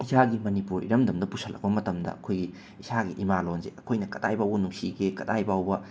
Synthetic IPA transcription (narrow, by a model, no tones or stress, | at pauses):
isʰaɡimɐnipuɾḭɾɐmdɐmdɐpusʰɐlʔɐ̰k̚pɐmɐtɐmdɐ̰ʔɐkʰojɡi | isaɡiʔimalonzeɐkʰojnɐkɐtajbawbɐnuŋsiɡekɐdajbawbɐ